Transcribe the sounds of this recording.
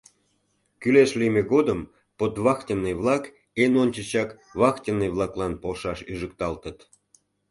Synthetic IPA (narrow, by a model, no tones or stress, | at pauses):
kyleʃlimeɣod̪əm | pot̪βɑxtʲənːeβlɑk | enonʲt͡ɕə̆t͡ɕɑk | βɑxtʲənːeβlˠɑklɑnpolʃɑʃyʒək̚t̪ɑlt̪ət̪